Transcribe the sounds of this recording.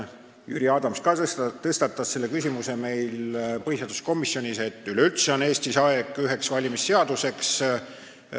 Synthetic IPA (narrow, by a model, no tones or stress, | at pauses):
jy̰ɾiɑːd̪̥ɑmskɑt̪ɤst̪ɑt̪ːˑɑsːe̞lːe̞kysʲimuse̞me̞jlpɤhiseɑːd̪usko̞misːjo̞nʲise̞t̪ːˑylylt̪seone̞ːst̪isɑeɡ̥yɦe̞ksvɑlʲimisːe̞ɑd̪use̞ks